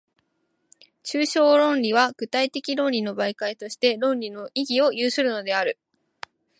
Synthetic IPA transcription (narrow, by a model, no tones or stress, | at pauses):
t͡ɕɨːɕo̞ːɾõ̞nɾʲiβ̞aɡ̥ɯ̟t̪ait̪e̞kʲiɾõ̞nɾʲino̞baikait̪o̞ɕi̥t̪e̞ɾõ̞nɾʲino̞ʔiɡʲio̞jɯːsɨɾɯ̟no̞d̪e̞aɾɯ̟